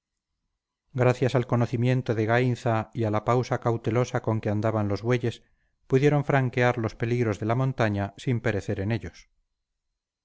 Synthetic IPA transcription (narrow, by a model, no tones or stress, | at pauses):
ɡɾaθjasalko̞noθimje̞nt̪oðe̞ɣainθaialapawsakawt̪e̞lo̞sako̞ŋke̞and̪aβanlo̞zβwe̞ʎe̞s | puðje̞ɾõ̞ɱfɾaŋkeaɾlo̞spe̞liɣɾo̞zðe̞lamõ̞nt̪aɲasimpe̞ɾe̞θe̞ɾe̞ne̞ʎo̞s